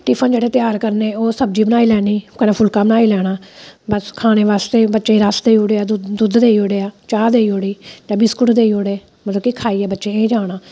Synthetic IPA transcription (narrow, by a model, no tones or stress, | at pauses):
ʈɪpʰənd͡ʒeːɽeːt̪ɪjaːɾkəɾneːoːsəb̚d͡ʒiːbənaːiːlɛːniːkənãːpʰʊlkaːbənaːiːlɛːɽaːbəskʰaːɽ̃eːʋaːst̪eːbətːʃeːɾasd̪eːiːoːɽeːaːd̪ʊd̪d̪eːiːoːɽeːaːt͡ʃaːd̪eːiːoːɽiːd͡ʒãːbɪskʊʈd̪eːiːoːɽeː | mət̪ləbkikʰaːiːɛːbətːʃeːeːd͡ʒaːɽaː